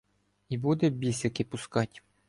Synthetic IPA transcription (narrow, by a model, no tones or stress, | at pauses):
ibud̪ɛbʲisʲɐkɪpʊskɑtʲ